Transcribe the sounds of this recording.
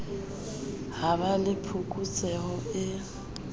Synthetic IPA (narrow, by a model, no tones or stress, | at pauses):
haβalɪpʰukʼut͡sʼɛhɔɪ